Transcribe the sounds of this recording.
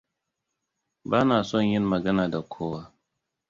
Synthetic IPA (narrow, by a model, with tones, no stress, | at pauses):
baː˦naː˨sɔ˦˨ɲjɪ˦nmɐ˨ɡɐ˦naː˨da˨kʷʰoː˦waː˦